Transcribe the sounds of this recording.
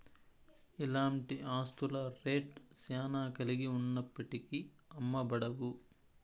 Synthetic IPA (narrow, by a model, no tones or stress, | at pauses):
ilaːɳʈiaːst̪ulɐɾeːʈsaːnaːkɐliɡiunːɐpːɐʈiki | ɐmːɐbɐɽɐʋu